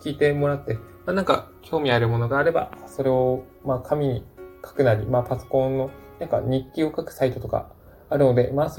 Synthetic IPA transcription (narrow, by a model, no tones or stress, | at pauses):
kʲiːt̪e̞mo̞ɾat̪ːe̞maːnãŋka̰kʲo̞ːmʲiaɾɯ̟mo̞no̞ɡaːɾe̞ba̰so̞ɾe̞o̞ | maːkʰamʲiɲ̟ikʰḁkɯ̟naɾʲimaːpaso̞̥kõ̞nːo̞nãŋka̰ɲ̟ikʲːio̞kakɯ̟̥sait̪o̞t̪o̞ka̰ː | ɾɯ̟no̞d̪e̞̰maːs